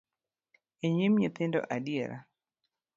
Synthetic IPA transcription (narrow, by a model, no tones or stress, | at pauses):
eɲimɲet̪ɪndɔ̰ʔadieɾʔa̰